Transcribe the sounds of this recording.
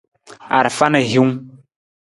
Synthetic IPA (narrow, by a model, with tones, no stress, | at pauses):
a̰˨ɾfa˦nə˨ɦi˦ŋ˦